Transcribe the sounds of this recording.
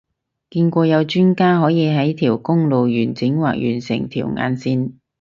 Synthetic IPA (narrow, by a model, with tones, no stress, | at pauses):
kiː˧nkʷɔː˧jɐ˨˧wt͡ʃyː˥nkaː˥ɦɔː˨˥jiː˨˧ɦɐ˨˥jt̪ʰiː˨˩wkʊ˥ŋlo˨wjyː˨˩nt͡sɪ˨˥ŋwa̰ː˨k̚jy̰ː˨˩nsɪ̰˨˩ŋt̪ʰḭː˨˩wŋa̰ː˨˧nsiː˧n